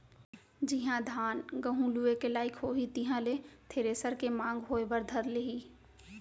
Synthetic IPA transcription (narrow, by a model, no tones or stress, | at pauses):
d͡ʒɪɦãd̪ʱaːnɡɐɦũluekelaːɪkɦoːɦit̪iɦãleːt̪ʰeːɾeːsəɾkemãːŋɡɦoːebəɾd̪ʱɐɾleɦiː